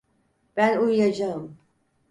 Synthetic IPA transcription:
b̥ænujːad͡ʒaɯm

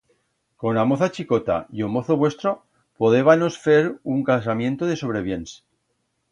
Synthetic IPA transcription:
ko̞namo̞θat͡ʃiko̞t̪a̰jomo̞θoβwe̞st̪ɾo | poðe̞βano̞sfeɾuŋkas̬amje̞nt̪oðe̞so̞β̞ɾeβ̞je̞nse̥

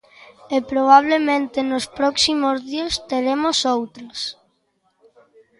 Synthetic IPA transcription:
epɾoβ̞aβ̞lemẽnt̪enospɾɔksimozðiast̪eɾemosowt̪ɾɐs

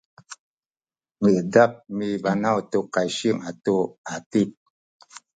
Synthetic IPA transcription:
ŋəʔdap̚mibanawtokajʃiəŋatoatip̚

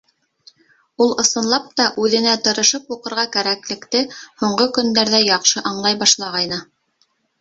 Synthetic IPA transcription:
ulˠɤ̆sɤ̆nlˠɑp̚t̪ɑʔʉðɘ̆næt̪ɤ̆ɾɤ̆ʃɤpuqɤ̆ɾʁɑkæɾæklɘ̆kt̪ɘhuɴɢɤkɵ̆nd̪æɾðæjɑqʃɤʔɑɴlˠɑjbɑʃlˠɑʁɑjnɤ

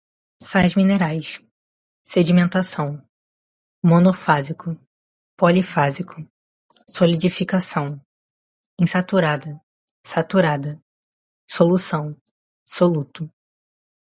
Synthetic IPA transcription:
sajzmĩneɾajs | sed͡ʒimẽnt̪asɐ̃w̃ | monofazikʊ | polifazikʰʊ | solid͡ʒifikasɐ̃w̃ | ẽsat̪uɾad̪ɐ | sat̪uɾad̪ɐ | solusɐ̃w̃ | solut̪ʊ

